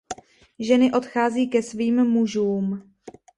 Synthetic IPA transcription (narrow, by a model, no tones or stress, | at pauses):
ʒɛnɪʔo̞t̪xaːziːkɛsviːmmuʒuːm